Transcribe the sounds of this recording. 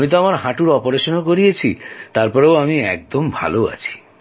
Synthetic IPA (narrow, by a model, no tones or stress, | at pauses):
mit̪̬ɔamaɾɦaʈuɾɔpoɾeʃɔnɔkoɾiet͡ʃʰit̪aɾpɔɾewamiɛk̚d̪ombʱa̰loa̰t͡ʃʰi̥